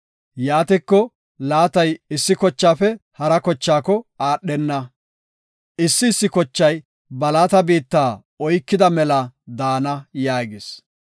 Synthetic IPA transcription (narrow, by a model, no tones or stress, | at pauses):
jaːt̪ɪkːɔ | laːt̪ɐjɪsːɪkɔt͡ʃːaːfɛhɐɾɐkɔt͡ʃːaːkɔaːɗːɛnːɐ | ʔɪsːɪːsːɪkɔt͡ʃːɐj | bɐlaːt̪ɐbiːt̪ːaː | ɔjkːɪd̪ɐmɛlɐd̪aːnɐjaːɡɪs